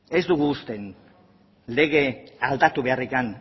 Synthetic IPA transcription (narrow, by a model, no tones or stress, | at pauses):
e̞zd̪uɣuːst̪e̞n | le̞ɣ̞e̞ald̪at̪uβe̞arikan